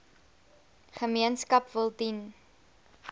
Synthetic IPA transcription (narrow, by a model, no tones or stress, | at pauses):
χəmiənskɐpvəlˠdin